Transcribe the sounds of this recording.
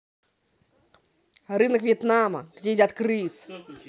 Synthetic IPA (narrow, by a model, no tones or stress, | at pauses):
rɨnɐkvʲjɛt̪namɐ̰ɣd͡zʲejd͡zʲat̪kɾɨs